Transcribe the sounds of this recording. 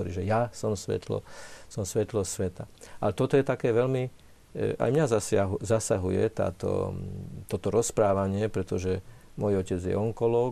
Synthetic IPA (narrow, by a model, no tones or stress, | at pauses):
ɔɾḭːʒɛjasɔmsʋɛ̰t̪lɔ̰sɔmsʋɛt̪lɔsʋɛt̪aʔalɛt̪ɔt̪ɔjɛt̪akɛːʋɛlmi | a̰jmɲazasɦzasaɦujɛ̰t̪a̰ːt̪ɔ̰t̪ɔt̪ɔɾɔspɾaːʋaɲɪɛpɾɛt̪ɔʒɛ | mɔjɔcɛd͡zjɛ̰ɔŋkɔlɔː